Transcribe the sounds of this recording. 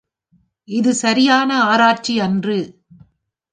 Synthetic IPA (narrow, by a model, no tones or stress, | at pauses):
ʔɪðɯsɐɾɪjaːnɐaːɾaːʈ̚t͡ʃiɐndrɯ